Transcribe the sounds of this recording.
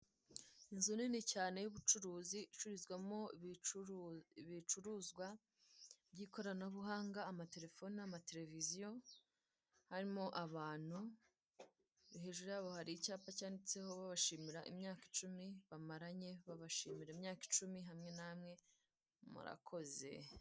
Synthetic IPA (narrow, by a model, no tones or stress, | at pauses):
inzuninicaːne̞juβut͡ʃuɾuːziit͡ʃuɾizɡwamo̞ | βit͡ʃuɾuːzɡwa | bɟiːko̞ɾanauβuɦaːŋɡaːmate̞ɾe̞fo̞niamate̞ɾe̞vizijo̞ | haɾimo̞ʔaβaːn̥hu | βiɦe̞ːʒuɾejaβohaɾicaːpacaːndit͡se̞ho̞βaβaʃiːmiɾaʔimɲaːkit͡ʃumiβamaɾaɲe̞βaβaʃiːmiɾaeimɲaːki̥t͡ʃumiɦamŋe̞namŋe̞ | mṵɾa̰kʰo̞ze̞̰